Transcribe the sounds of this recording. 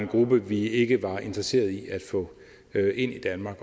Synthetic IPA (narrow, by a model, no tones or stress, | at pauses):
nɡ̥ʁub̥əʋie̝ɡ̥əʋɑ̈e̝nd̥ʁɐse̝̰ːɐðˠiʔæd̥fɔ̽ | ʔe̝n̰id̥ænmɑ̈ːɡ̥